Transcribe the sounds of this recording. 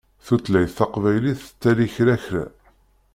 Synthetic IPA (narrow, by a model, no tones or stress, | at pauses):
θut͡sːlæjθːɑqvæjliθt͡sːæliçɾæçɾæ̰